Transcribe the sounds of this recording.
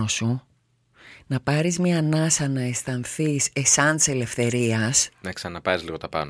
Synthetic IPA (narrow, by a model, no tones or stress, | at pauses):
osu | nɐpɐɾizmɲɐnɐsɐnɐest̪ɐnθise̞sɐnt̪i̥sele̞fθe̞ɾiɐsnɐksɐnɐpɐɾizliɣo̞t̪ɐpɐ̰n